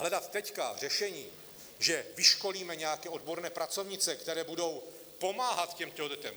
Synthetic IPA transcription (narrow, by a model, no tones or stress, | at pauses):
ɦlɛdat̪ːɛcka̰r̝ɛʃɛɲiː | ʒɛvɪʃko̞liːmɛɲɛjakɛːʔo̞dbo̞ɾnɛːpɾat͡so̞vɲɪt͡sɛkt̪ɛɾɛːbudo̞w | po̞maːɦat̪cɛmt̪ɛɦod̪ɛt̪ɛm